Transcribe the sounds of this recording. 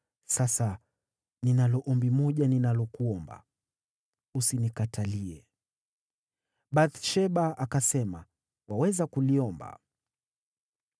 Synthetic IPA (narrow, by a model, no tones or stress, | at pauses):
sasa | ninalɔʔɔmbimɔʄaninalɔkuɔmba̰ | usinikataliɛ | ɓaθʃɛɓaakasɛma̰ | wawɛzakuliɔmba̰